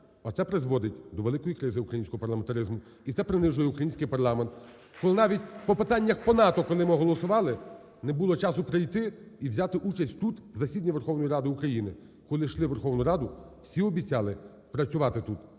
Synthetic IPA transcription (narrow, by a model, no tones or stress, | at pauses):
ɔt̪sɛpɾɪzʋɔd̪ɪtʲd̪ɔʋeɪkɔjikɾɪzɪukɾɐjinʲsʲkɔɦɔpɐrlˠɐment̪ɐɾɪzmʊ | it̪sɛpɾɪnɪʒʊjɛukɾɐjinsʲkɪjpɐrlˠɑment̪ | kɔlˠɪnɑʋʲitʲpɔpɪt̪ɑnʲːɐxpɔnɑt̪ɔkɔlˠɪmɪɦɔlˠɔsʊʋɑlˠɪ | nɛbulˠɔt͡ʃɑsʊpɾɪjt̪ɪiwzʲɑt̪ɪʔut͡ʃɐsʲtʲt̪ut̪wzɐsʲid̪ʲnʲiʋerxɔwnɔjiɾɑd̪ɪukɾɐjinɪ | kɔlˠɪʃlˠɪʋerxɔwnʊɾɑd̪ʊw̥sʲiɔbʲit͡sʲɑlˠɪ | pɾɐt͡sʲʊʋɑt̪ɪt̪ut̪